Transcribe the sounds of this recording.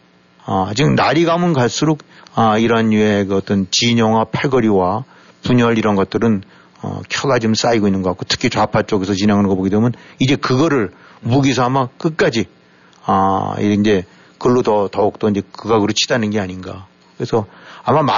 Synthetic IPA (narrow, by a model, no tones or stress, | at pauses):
ʌt͡ɕinaɾiɡamɯnkaɭs͈ɯɾokʌiɾʌɦanuekɯʌt͈ʌnt͡ɕiɲʌŋwapʰaɭɡʌɾiwa | puɲʌɭiɾʌnɡʌt̚t͈ɯɾɯn | ʌ̰kʰjʌɡad͡ʑoms͈aiɡoinːɯnɡʌkak͈otʰɯ̥kʰit͡ɕapʰat͡ɕ͈oɡesʰʌt͡ɕineŋaɭŋɡʌboɡidwemjʌnid͡ʑe̞kɯɡʌɾɯɭ | muɡis̬ʰʌamak͈ɯk̚k͈ad͡ʑi | ʌḭind͡ʑe̞ | kɯɭːotʌtʌuk̚t͈ʌind͡ʑe̞kɯɡakɯɾɯt͡ɕʰi̥danɯnɡe̞aɲinɡa | kɯɾesʰʌamːama